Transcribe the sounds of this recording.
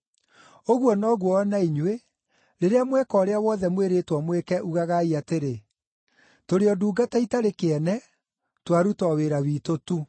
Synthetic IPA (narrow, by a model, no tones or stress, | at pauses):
oɣwɔnɔɣwɔːnaiɲwe | ɾeɾeamwɛkɔːɾeawɔðɛmweɾetwɔmwekɛʔuɣaɣaiateɾe | toɾeɔduːɡataitaɾekeɛnɛ | twaɾutɔweɾawiːtotu